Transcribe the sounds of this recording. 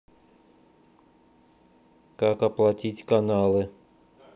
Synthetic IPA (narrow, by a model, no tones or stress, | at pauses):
kakɐplˠɐtʲitʲkanalˠɨ